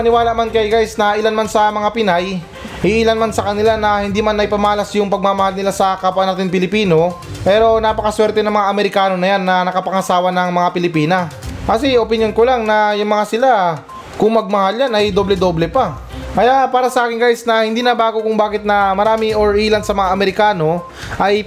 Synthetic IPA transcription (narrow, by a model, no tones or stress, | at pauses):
pɐnɪwaːlɐʔmankɐjɡajsnɐʔɪlanmansɐmɐŋapɪnaj | hɪʔiːlanmansɐkɐnɪlanɐhɪnd̪iːmanːɐjpɐmɐalɐsjʊŋpɐɡ̚mamɐhalnɪlasɐkapʔnaːt̪ɪŋpɪlɪpiːno̞ | pɛːɾo̞naːpɐkɐswɛɾt̪ɛnɐŋmɐŋaʔɐmɛɾɪkaːno̞nɐjanːɐnɐkɐpɐŋɐsaːwɐnɐŋmɐŋapɪlɪpiːnɐkɐsɛopɪnjo̞nkolaŋnɐjʊŋmɐŋasɪla | kʊŋmɐɡ̚mɐhaljanʔɐjd̪o̞blɛd̪o̞ːblɛpɐ | kɐjaʔpaːɾɐsɐʔaːkɪŋɡajsnɐhɪnd̪iːnɐbaːɡokʊŋbaːkɪt̪̚nɐmɐɾaːmɪŋoɹʔiːlɐnsɐmɐŋaʔɐmɛɾɪkaːno̞ | ʔɐj